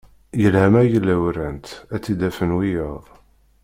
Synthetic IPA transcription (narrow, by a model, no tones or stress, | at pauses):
jəlhæmæjəlːæwɾænt̪æt͡sːid̪æfənwijəðˤ